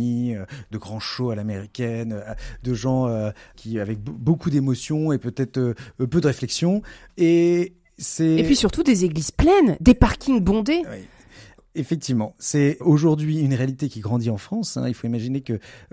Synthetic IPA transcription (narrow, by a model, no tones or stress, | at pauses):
iød̪əɡʁɑ̃ʃoalameʁikʲɛnøad̪əʒɑ̃økʲʰiavɛk̚bbokud̪emɔsjɔ̃epøt̪ɛt̪χøpød̪əʁeflɛksjɔ̃ | e | sɛpɥisyʁt̪ud̪ezeɡliz̥plɛnd̪epaʁkʲiŋbɔ̃d̪ewḭ | efɛk̚t̪ivmɑ̃sɛoʒuʁd̪ɥiynʁealit̪ekʲiɡʁɑ̃d̪iɑ̃fχɑ̃sɛ̰̃ilfoimaʒinekə